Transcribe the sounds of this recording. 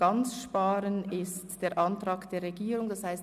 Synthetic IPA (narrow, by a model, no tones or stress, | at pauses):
ɑnt͡sʃpɑːɾənɪstd̥eːɐɾʔɑntʁɑːɡd̥eːɾːeɡiːɾʊŋdɑshaɪst